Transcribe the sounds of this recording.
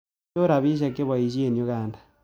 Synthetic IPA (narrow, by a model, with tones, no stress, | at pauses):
o˦ɾa˨βi˦ʃ̬a˦kːe˦βwa˨i˨ʃi˦e˨ni˨o˦ɣaː˨ndḁ